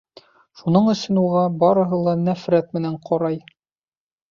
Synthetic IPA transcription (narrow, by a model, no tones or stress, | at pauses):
ʃunɤɴɵ̆sɵnuʁɑbɒɾɤ̆ɦɤlˠɑnæfɾæt̪̚mɘ̆næɴqʰɒɾɑj